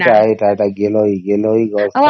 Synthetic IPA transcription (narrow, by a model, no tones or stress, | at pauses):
taetaɛtaɡelɔiɡelɔiɡɔs